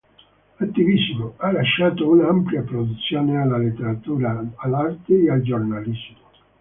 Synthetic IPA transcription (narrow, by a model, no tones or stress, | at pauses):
at̪ːivismoalːaʃːaːt̪ounampljapɾod̪ut̪sːjoːnealːalet̪ːeɾat̪uːɾaːlːart̪eːald͡ʒornalizmo